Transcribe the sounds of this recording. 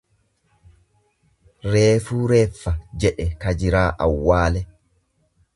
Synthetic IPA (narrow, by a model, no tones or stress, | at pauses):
ɾeːfuːɾeːfːɐd͡ʒɛɗɛkɐd͡ʒɪɾaːʔɐwːaːlɛ